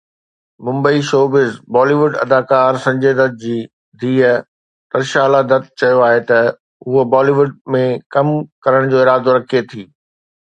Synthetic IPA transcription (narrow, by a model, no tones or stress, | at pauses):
mʊ̃mbəiʃoːbɪzbɔːliʋʊɖɐ̰d̪aːkaːɾsɐ̃ɲd͡ʑeːd̪ɐd̪̚d͡ʑiː | d̪ʱiːə | t̪ɐɾʃaːlad̪ɐt̪̚t͡ɕɐjoaːɦet̪ɐ | ɦʊɦobɔːliːʋʊɖmẽkɐmkɐɾəɽ̃d͡ʑoːɪɾaːd̪oɾɐkʰiet̪ʰiː